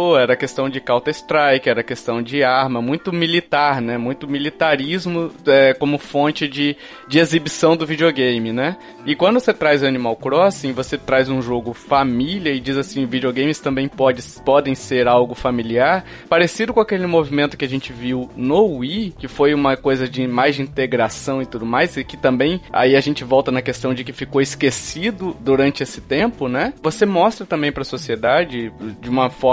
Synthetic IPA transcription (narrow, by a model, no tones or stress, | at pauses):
oɛɾɐkest̪ɐ̃w̃d͡ʒɪkawt̪ɐɪst̪ɾajkɪɛɾɐkest̪ɐ̃w̃d͡ʒɪaɾmɐmũj̃t̪ʊmilit̪aɾnɛmũj̃t̪ʊmilit̪aɾizmʊɛkõmʊfõnt͡ʃɪd͡ʒɪ | d͡ʒɪezibisɐ̃w̃d̪ʊvid͡ʒioɡẽjmɪnɛ | ɪkwɐ̃nd̪ʊset̪ɾajzʊɐnimawkɾɔsĩj̃voset̪ɾajzũʒoɡʊfamiliɐɪd͡ʒizasĩvid͡ʒioɡẽj̃mɪst̪ɐ̃mbẽj̃pɔd͡ʒɪspɔd̪ẽj̃seɾawɡʊfamiliaɾ | paɾesid̪ʊkõakelɪmovimẽnt̪ʊ̥kɪaʒẽnt͡ʃɪviwnowikɪfojũmɐkojzɐd͡ʒɪmajzd͡ʒɪĩnt̪eɡɾasɐ̃w̃ɪt̪ud̪ʊmajsɪkɪ̥t̪ɐ̃mbẽj̃a̰iaʒẽnt͡ʃɪvɔwt̪ɐnɐkest̪ɐ̃w̃d͡ʒɪkɪfikoɪskesid̪ʊd̪uɾɐ̃nt͡ʃɪesɪ̥t̪ẽmpʊnɛvosemɔst̪ɾɐt̪ɐ̃mbẽj̃pɾɐsosied̪ad͡ʒɪd͡ʒɪũmɐfɔɾ